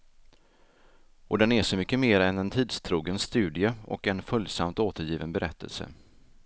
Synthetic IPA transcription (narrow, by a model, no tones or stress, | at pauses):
ʔɔd̪ɛnæʂɔmʏkːəmeːɾɛnɛnt̪ʰiːd̪st̪ʰɾuːɡənst̪ʉ̟ːd̪ɪəɔ̰kɛnfɵljsamt̪oːt̪əɾjiːvənbɛɾʔɛt̪ʰːə̰lsə̰